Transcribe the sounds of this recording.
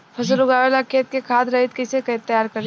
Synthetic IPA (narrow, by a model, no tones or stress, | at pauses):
pʰɐslʊɡaːʋelakʰeːt̪̚kekʰaːd̪ɾɐɦɪt̪̚kɪsekɐɪt̪ːəjaːɾkɐɾ